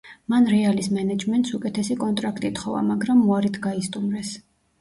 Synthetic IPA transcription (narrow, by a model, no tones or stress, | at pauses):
manɾɛalismɛnɛd͡ʒmɛnt̪sukʼɛt̪ʰɛsikʼɔnt̪ʼɾakʰt̪ʼit̪ʰχɔva̰maɡɾamːuaɾit̪ʰɡaist̪ʼumɾɛs